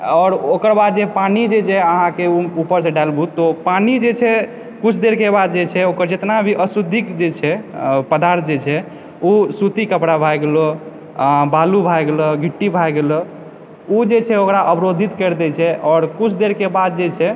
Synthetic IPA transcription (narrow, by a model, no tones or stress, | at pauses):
ɔːɾokəɾbad̪̚d͡ʒepanid͡ʒet͡ʃʰɛəɦãkeuupəɾseɖalbʱut̪ːɔpanid͡ʒet͡ʃʰɛ | kut͡ʃʰd̪eɾkebad̪̚d͡ʒet͡ʃʰɛokəɾd͡ʒet̪nabʱiʔəsud̪ʱikd͡ʒet͡ʃʰɛpəd̪aɾt̪̚ʰd͡ʒet͡ʃʰɛ | usut̪ikəpɽabʱajɡelɔ | balubʱajɡelɔɡʱiʈːibʱajɡelɔ | ud͡ʒet͡ʃʰɛokɾaʔəbɾod̪ʱit̪kəɾd̪ɛt͡ʃʰɛɔːɾkut͡ʃʰd̪eɾkebad̪̚d͡ʒet͡ʃʰɛ